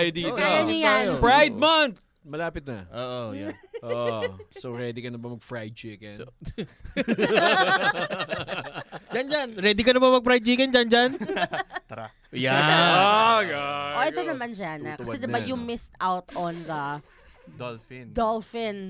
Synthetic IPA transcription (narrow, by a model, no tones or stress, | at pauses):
jod̪it̪ajɐnɪjapɾajd̪̚mɐnt̪̚ | mɐlaːpɪt̪̚nɐ̰ʔoːʔojaʔoʔsoɾɛd̪ɪkɐnɐbɐmɐɡ̚fɹajd̪̚t͡ʃiːkɛn | d͡ʒand͡ʒanɾɛːd̪ɪkɐnɐbamɐɡ̚fɾajd̪̚t͡ʃiːkɛnd͡ʒand͡ʒant̪a | ja | ʔoʔɛonɐmand͡ʒanɐkɐsɛd̪ɪbajʊŋmɪst̪ʔawt̪ʔɔnd̪ɐ | d̪olfɪnd̪olfɪn